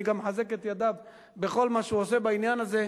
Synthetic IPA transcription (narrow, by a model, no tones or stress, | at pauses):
ɡamħaze̞ket̪jad̪av | bexo̞lmaʃhuosebainjanaze